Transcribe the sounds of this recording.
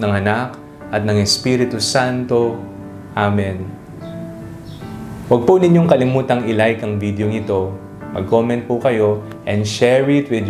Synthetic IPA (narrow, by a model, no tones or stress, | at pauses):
nɐŋɐnak | ʔɐt̪̚nɐŋɛspiɾɪt̪usant̪o̞ | ʔamɛn | wɐɡ̚punɪɲjo̞ŋkɐlɪmuːt̪ɐŋʔɪlajkɐŋvid̪oŋɪt̪o̞ | mɐ̰ɡ̚ko̞mɛ̃nt̪̚pukɐjo̞ | ʔɛ̃nd̪ʃɛɹɪt̪wɪd̪